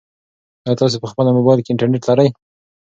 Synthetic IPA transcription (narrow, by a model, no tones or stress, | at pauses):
ajɑt̪ɑs̬epəxpəlamobɑjlkeɪɳʈaɾneʈlaɾaj